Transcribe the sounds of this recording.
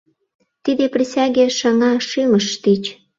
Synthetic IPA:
t̪id̪eprʲisʲæɣʲeʃɑŋɑʃyməʃt̪it͡ɕ

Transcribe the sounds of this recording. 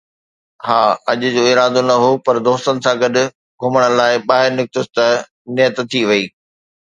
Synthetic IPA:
haːɐʄʊ̆d͡ʑoːɪɾaːd̪onɐɦoːpɐɾd̪oːst̪ənɪ̆sãɡɐɗʊ̆ | ɡʱʊməɽ̃laːɪɓaːɦɪɾnɪk̚t̪ɪst̪ɐ | nɪjət̪t̪ʰːiʋɐiː

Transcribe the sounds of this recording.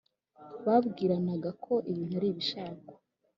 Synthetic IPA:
βabɡiːɾanaɡakʰo̞ʔiβin̥aɾiːβiʃaːkḁ

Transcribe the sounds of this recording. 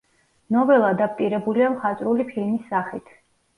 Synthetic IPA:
nɔvɛlˠad̪ap̚pʼiɾɛbuliamχat̪ʼɾulipʰilmisːaχit̪ʰ

